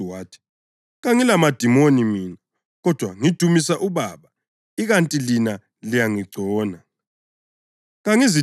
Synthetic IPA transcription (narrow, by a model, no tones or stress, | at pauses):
waːtʰi̥ | ɣaŋilamad̥ʱimonimiːna | ɣɔd̥ʱwaŋid̥ʱumisaʔuβaβa | iɣantʼilina | lijaŋiɡ͡ǀʱɔːna | ɣaŋizi